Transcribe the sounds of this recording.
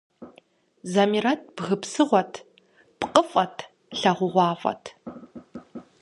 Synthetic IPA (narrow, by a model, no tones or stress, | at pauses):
zɐmirɐt̚ʰb̥ɣɨpsɨʁʷɔtʰ | pqʼəfʼɐtʰ | ɬɐʁʷʊʁʷɑːfʷʼɐ̰tʰ